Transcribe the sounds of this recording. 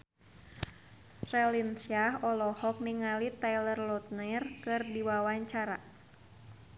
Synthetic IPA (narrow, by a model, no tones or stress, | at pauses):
rɛlinsiaɦɔlɔhɔk̚niŋalit̪ajlərlɔt̪̚nɛrkɨrdiwawaɲt͡ʃaɾa